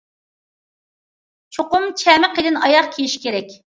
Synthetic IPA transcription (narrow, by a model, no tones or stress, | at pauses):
t͡ʃʰoqʊmt͡ʃʰɛmɪqed̪ɪnɑjɑqkʲʰejiʃkʲʰeɾɛkʲ